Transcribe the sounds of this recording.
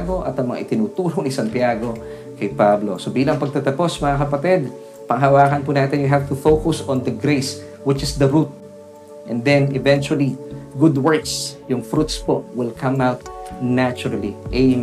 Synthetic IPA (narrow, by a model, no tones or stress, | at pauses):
ɡo̞ʔɐt̪ɐŋmɐŋa̰ʔɪt̪ɪnuːt̪uːɾonɪsɐnt̪jaːɡo̞ | kɐjpablo̰sobiːlɐŋpɐɡ̚t̪ɐt̪ɐpo̞smɐŋakɐpɐt̪ɛd̪̚ | pɐŋɦɐwaːkɐnpunaːt̪ɛnjʊɦavt̪ʊfowkʊsɔ̃nd̪ɐɡɾejs | wɪt͡ʃɪsd̪ɐɹut̪̚ | ʔɛ̰̃nd̪ɛnɪvɛnt͡ʃʊwɐliɡʊd̪wɛɹksjʊŋfɾut̪spoʔwɪlkʰɐmawt̪̚nat͡ʃʊɾɐliʔɛ